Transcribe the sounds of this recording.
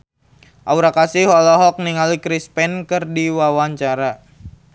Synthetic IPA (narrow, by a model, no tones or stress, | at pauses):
ʔauɾakasiɦɔlɔɦɔk̚niŋalikɾispɛnkɨrdiwawaɲt͡ʃaɾa